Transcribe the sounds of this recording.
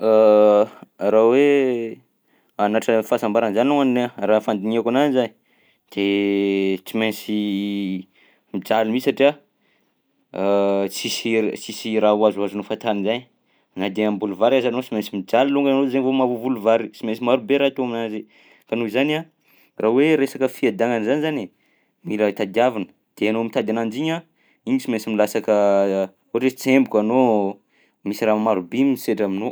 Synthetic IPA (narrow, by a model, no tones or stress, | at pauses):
a | rawe | anaʈ͡ʂəfasambaɾanzanuaninarafand̪iɲakananzan | d̪̥e | t͡simensi | mid͡ʒalimisaʈ͡ʂia | t͡sisit͡sisiɾauazuazunufat̪aninzajɲ | nad̪eambuluvaɾazanot͡simensimid͡ʒaliluŋɡannozaɲvomavuvuluvaɾit͡simensimaɾubeɾakeoaminazi | kanoizana | rʔaweɾesakəfiad̪aŋanzanizani | milət̪ad̪iavinə̥ | d̪̥eanomint̪ad̪anand͡ʒiɲa | iɲisimensimilasakə | oʈ͡ʂet͡sembukano | misiɾamaɾubimiseʈ͡ʂamino